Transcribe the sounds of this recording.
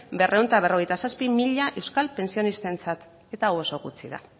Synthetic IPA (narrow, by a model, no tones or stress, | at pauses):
be̞rʔe̞wnt̪aβ̞e̞ro̞ɣ̞e̞jt̪asaspimiʎaʔe̞wskalpe̞nsio̞nist̪e̞nt͡sat̪ | e̞t̪awo̞so̞ɣut͡siða̰